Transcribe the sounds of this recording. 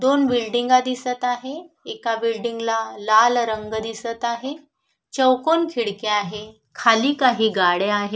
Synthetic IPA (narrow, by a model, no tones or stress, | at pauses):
d̪onbilɖiŋɡad̪isət̪aɦe | ekabilɖiŋɡlalalɾəŋɡd̪isət̪aɦe | t͡ɕəwkonkʰiɽkeaɦe | kʰaliːkaɦiːɡaɽeaɦe